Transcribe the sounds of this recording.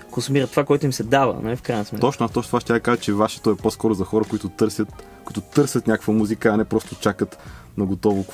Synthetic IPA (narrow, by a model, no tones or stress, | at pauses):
konsʊmiɾət̪ːovakoɛjt̪ʊimsɛd̪avə̰nɐ̰lifkɾajnsmɛt̪ɔt͡ʃnoɐt̪ɔt͡ʃnot̪vaʃt̪ʲad̪əkaʒət͡ʃɛvaʃɛ̥t̪oɛposkɔɾʊzɐxɔɾəkoit̪ʊt̪ɤɾsʲjət̪kkoʊit̪ʊt̪ɤɾsʲət̪nʲakəkvəmuzikəɐnɛpɾɔst̪ʊt͡ʃakət̪ | nɐɡot̪ɔvo